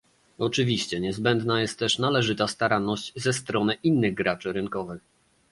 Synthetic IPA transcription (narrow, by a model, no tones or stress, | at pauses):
ɔt͡ʂɘvʲiɕt͡ɕɛɲɛzbɛnd̪najɛst̪ːɛʂnalɛʐɘt̪ast̪aɾanːɔɕt͡ɕzɛst̪ɾɔnɘʔinːɘɣɡɾat͡ʂɘɾɘŋkɔvɘx